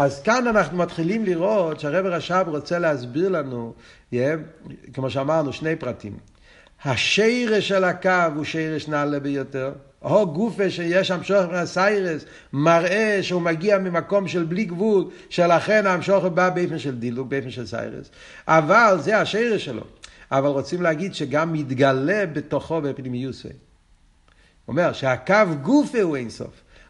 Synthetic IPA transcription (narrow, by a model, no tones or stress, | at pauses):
azkananaχnumatχilimliʁotʃaʁɛbɪʁaʃabʁot͡sɛlɛazbiʁlˠanu | jɛkəmoʃamaʁnuʃneɪpʁatḭm | haʃeɪʁeʃɛlakavuʃeɪʁəʃnalɛbəjotɛʁ | hoɡufeʃejɛʃamʃɔχefinasaɪʁes | maʁeʃeumaɡiamɪmakɔmʃɛlbliɡvul | ʃelaχɛnaːmʃɔχebaːbeɪfnʃɛlˠdiluk̚beɪfnʃɛlˠsa̰ɪʁḛs | avalzeaʃeɪʁeʃɛlo̰avalˠʁot͡simleaɡidʃeɡamːɪdɡalɛbɪtoχɔbepnimijuso̰ɪ | ɔ̰mɛʁʃeakavɡufeueɪnsɔ̰f